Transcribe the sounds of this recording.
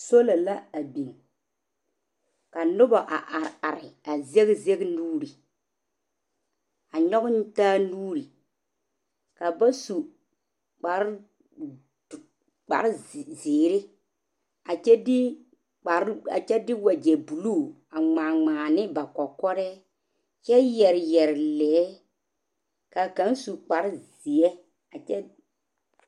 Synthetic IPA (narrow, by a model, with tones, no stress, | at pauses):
so˦la˨la˦a˨bi˨n | ka˨nʊ˦ba˨ʔa˨ʔa˨ɾa˨ɾɪ˨a˨ze˦ɣze˦ɡnuː˦ɾi˨ | a˨ɲɔ˦ɣn˦taː˦nuː˦ɾi˨ | ka˨ba˦su˨ | k͡pa˨ɾ | k͡pa̰˨ɾzɪː˨ɾɪ˦ | a˨t͡ʃɛ˦dɪ˦ | k͡pa˨ɾa̰˨t͡ʃɛ˦dɪ˦wa˨d͡ʒɛ˨bu˨lu˦˨ | a˨ŋ͡maː˨ŋ͡maː˨nɪ˦ba˨kɔ˨kɔ˦ɾɛ˦ | t͡ʃɛ˦jɛ˨ɾjɛ˨ɾlɛː˨˦ | ka˨kã˨˦n˦su˨k͡pa˨˦ɾzi˨ɛ˦ | a˨t͡ʃɛ˦